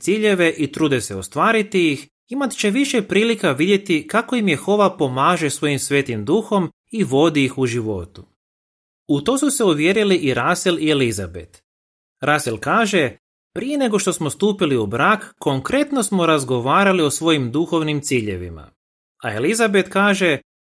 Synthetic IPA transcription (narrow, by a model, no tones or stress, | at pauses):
siːʎe̞ʋe̞ʔit̪ɾuːd̪e̞seost̪ʋaːɾit̪ijix | imat̪t͡ɕe̞ʋiʃe̞pɾiːlikaʋid̪je̞t̪ikako̞imje̞xo̞ʋapo̞maːʒe̞sʋo̞jimsʋe̞ːt̪imd̪uxo̞m | iʋo̞d̪iːxuʒiʋo̞̰t̪u̥ | ut̪o̞ːsuse̞uʋje̞ːɾiliʔiɾaselielizabḛt̪ | ɾʔaselkaːʒe̞ | pɾʔije̞ne̞ɡo̞ʃt̪o̞smo̞st̪uːpiliubɾakːo̞ŋkɾe̞t̪no̞smo̞ɾazɡo̞ʋaːɾalio̞sʋo̞jimd̪uxo̞ʋnimt̪siːʎe̞̰ʋḭma̰ | ae̞lizabet̪kaːʒe̞